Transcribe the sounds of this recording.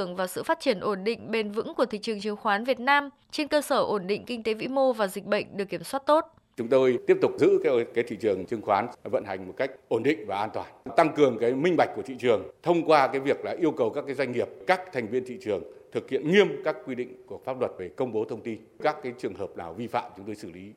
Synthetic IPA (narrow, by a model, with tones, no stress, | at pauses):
əŋvaː˨˩sɨ̰˧˨fa˦˥t̚t͡ɕi˧˩ənʔo˧˩nɗḭ̈˧˨ŋ̟ɓe˧nvɨ̰˧˥ŋku˧˩ət̪ʰḭ˧˨t͡ɕɨ˨˩əŋt͡ɕɨ˨˩əŋxwaː˨˦nvi˨˩ət̚naː˧m | t͡ɕe˧nkəː˧səː˧˩ʔo˧˩nɗḭ̈˧˨ŋ̟kï˧ŋ̟t̪e˨˦vḭ˧˥mo˧vaː˨˩zi˨˩k̟̚ɓə̰˧˨ŋ̟ɗɨ˨˩əkːi˧˩əmswaː˦˥t̚t̪o˦˥t̚ | t͡ɕʊ˨˦ŋ͡mt̪o˧jt̪i˦˥əp̚t̪ʊ˨˩k͡p̚zɨ̰˧˥kːkaː˨˦t̪ʰḭ˧˨t͡ɕɨ˨˩əŋt͡ɕɨ˧əŋxwaː˨˦nvə̰˧˨nha˨˩jŋ̟mo˨˩t̚ka˦˥k̟̚ʔo˧˩nɗḭ̈˧˨ŋ̟vaː˨˩ʔaː˧nt̪waː˨˩nt̪a˧ŋkɨ˨˩əŋkaː˨˦jmï˧ŋ̟ɓa˨˩jk̟̚ku˧˩ət̪i˧˨t͡ɕɨ˨˩əŋt̪ʰə˧wŋ͡mkwaː˧kaː˨˦jvi˨˩ək̚la̰ː˨˩ʔi˧əwkə˨˩wkaː˦˥kːaː˨˦jzwa˧ŋ̟ŋi˨˩əp̚kaː˦˥k̚t̪ʰa˨˩jŋ̟vi˧ənt̪ʰḭ˧˨t͡ɕɨ˨˩əŋt̪ʰɨ˨˩k̚hḭ˧˨ənŋi˧əmkaː˦˥kːwi˧ɗḭ̈˧˨ŋ̟ku˧˨˩əfaː˦˥p̚lwə˨˩t̚ve˨˩kə˧wŋ͡mɓo˨˦t̪ʰə˧wŋ͡mt̪i˧n | kaː˦˥kːaː˨˦jt͡ɕɨ˨˩əŋɦəː˨˩p̚na̰ː˨˩wvi˧fa̰ː˧˨mt͡ɕʊ˨˦ŋ͡mt̪o˧jsɨ˧˩li˨˦